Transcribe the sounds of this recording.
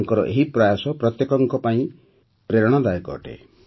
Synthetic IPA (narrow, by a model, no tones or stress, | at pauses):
ŋkɔɾɔ̰ʔeɦipɾajasɔpɾɔt̪jekɔŋkɔpaĩ | pɾeɾɔɽ̃ɔd̪ajkɔ̰ːʈḛ